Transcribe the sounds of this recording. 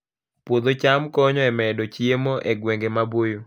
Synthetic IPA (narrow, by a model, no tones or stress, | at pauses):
pwod̪ot͡ʃamkɔɲɔɛmɛdɔt͡ʃiemoʔɛɡweŋɡemabojo